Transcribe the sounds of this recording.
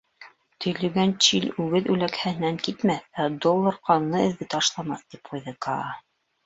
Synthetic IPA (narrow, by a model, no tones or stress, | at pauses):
t̪ʰɵ̆jlɵ̆ɡænt͡ɕilʉɡɘðʉlækhæhɘ̆næŋkit̪mæθæd̪olˠːɤɾqɑnnɤɘ̆ðɡɘt̪ɑʃlˠɑmɑθt̪ip̚qujðɤkɑ